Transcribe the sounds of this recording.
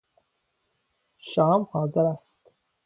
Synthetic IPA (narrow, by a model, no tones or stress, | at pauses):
ʃɒːmhɒːzeɾæst̪